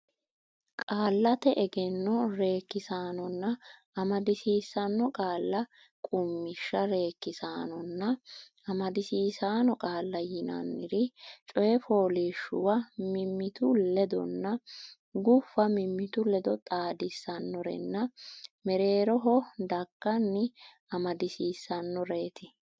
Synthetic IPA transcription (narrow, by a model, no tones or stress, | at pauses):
kʼaːlːɐt̪ɛʔɛɡɛnːɔɾe̞ːkːɪsaːnɔnːɐ | ɐmɐd̪ɪsiːsɐnːɔkʼaːlːɐ | kʼʊmːɪʃːɐɾe̞ːkːɪsaːnɔnːɐ | ɐmɐd̪ɪsiːsaːnɔkʼaːlːɐjɪnɐ̰nːɪɾɪt͡ʃʼɔjɛfo̞ːliʃʊ̰wɐmɪmːɪt̪ʊlɛd̪ɔ̰nːɐ | ɡʊfːɐmɪmːɪt̪ʊlɛd̪ɔt̪ʼaːd̪ɪsːɐnːɔɾɛ̰nːɐmɛɾe̞ːɾɔɦɔd̪ɐkːɐnːɪ | ɐmɐd̪ɪsiːsːɐnːɔɾeːt̪ɪ